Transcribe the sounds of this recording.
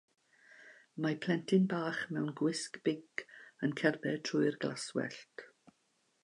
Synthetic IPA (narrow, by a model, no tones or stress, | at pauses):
mapʰl̥ˠɛntʰɪnbaːχmɛwnɡwɪskb̥ɪɡənkʰɛrbɛtʰrʊɨrɡlaswɛ̰ɬt